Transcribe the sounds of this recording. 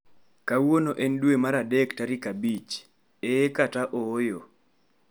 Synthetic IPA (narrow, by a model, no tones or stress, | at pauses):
kawonoʔɛndwemaɾadektaɾikabit͡ʃ | ekataʔoːjo